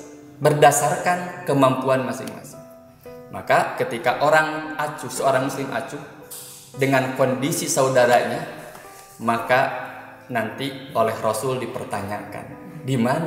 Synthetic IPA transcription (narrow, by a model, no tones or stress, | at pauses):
bərdasarkankəmampuanmasɪ̰ŋma̰sɪ̥ŋ | makakət̪ikaʔoɾaŋat͡ʃusəoɾaŋmuslɪmʔa̰t͡ʃu | dəŋankɔndisisaudaɾaɲa | maka | nant̪iolɛhrosʊldipərt̪aɲaka̰ndiman